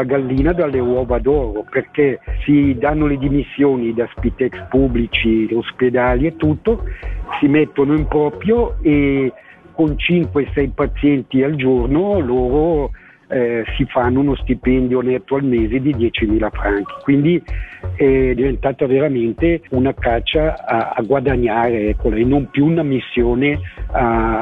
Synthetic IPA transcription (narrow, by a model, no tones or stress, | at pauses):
aɡalːiːnad̪alːewɔːvad̪ɔːɾoperkɛsid̪anːoled̪imisːjoːnid̪aspit̪iɛkspubːlit͡ʃiosped̪aːliet̪ːut̪ːosimɛt̪ːonoimpɾɔpɾjoe | kont͡ʃiŋkweesɛjpat̪sːjɛnt̪iald͡ʒornoloːɾo | ɛsifanːounost̪ipɛnd̪jonɛt̪ːoalmeːzed̪id̪jɛt͡ʃimiːlafɾaŋki̥kwind̪iɛd̪ivent̪aːt̪aveɾament̪eunakat͡ʃːaa̰ːɡwad̪aɲːaːɾeɛkːolaenːompjuunamisːjoːnea